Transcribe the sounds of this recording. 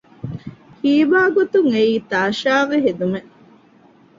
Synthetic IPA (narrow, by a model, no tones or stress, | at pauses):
hiːʋaːɡot̪uŋeiːt̪aːʃaːʋeɦed̪ume